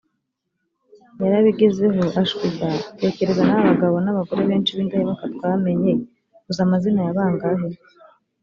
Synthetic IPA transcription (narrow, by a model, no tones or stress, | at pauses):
jaɾaβiɡeze̞ɦoʔaʃkizate̞ːce̞ɾezanaβaɡaβo̞naβaɡo̞ɾeβeːnt͡ʃiβiːndahemakatkwaːme̞ɲe̞ | uzamazinajaβaːŋɡaɦe